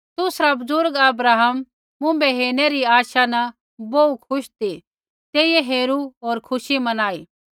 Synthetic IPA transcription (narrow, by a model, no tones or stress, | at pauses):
t̪ʊsɾabʊzʊɾɡɐbɾaːɦəmː | ʊ̃mbɛɦeːneɾiaːʃanɐ | boukʰʊʃt̪i | t̪eːieɦeːɾuoːɾkʰʊʃimɐnaːiː